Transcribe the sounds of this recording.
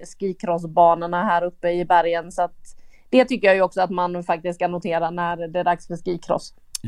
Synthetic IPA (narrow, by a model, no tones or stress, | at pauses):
skiːkʰɾɔs̬bɑːnaɳaɦæːɾɵpːəɪbæɾjənsɔat̪d̪̥ɛt̪ʰʏkːəjaːjɵɔksɔat̪manfak̚t̪ɪst̪kʰanʊt̪ʰeːɾanæɾd̪ɛæɖaksfəʂkiːkʰɾɔ̰s